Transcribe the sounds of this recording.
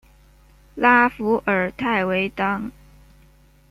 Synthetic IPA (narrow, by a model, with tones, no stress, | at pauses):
la˥fu˧˥ʔə˞˨˩t̪ʰa˥˩ɪwe˧˥ɪt̪ɑ˥ŋ